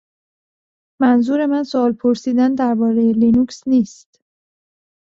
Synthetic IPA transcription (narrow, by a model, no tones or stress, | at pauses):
mænzuːɾe̞mænsoɒːlpʰoɾsiːd̪ænd̪æɾbɒːɾejelinuksniːst̪